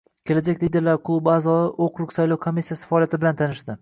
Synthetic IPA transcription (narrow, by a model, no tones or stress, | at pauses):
kʲʰe̞lad͡ʒakʲlid̪e̞ɾlaɾqʰʊlˠubɪazɒɪʔoqʰɾʊqsajlˠɒwkʰomːisːijasɪ̥faɒːlijat̪ʰɪbɪlant̪ʰanɪʃd̪ɪ